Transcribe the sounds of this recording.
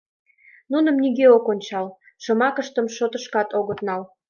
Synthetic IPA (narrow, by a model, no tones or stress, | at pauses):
nunə̆mniɣeokonʲt͡ɕɑl | ʃɤ̆mɑkəʃt̪əmʃot̪ə̆ʃkɑt̪oɣət̪nɑl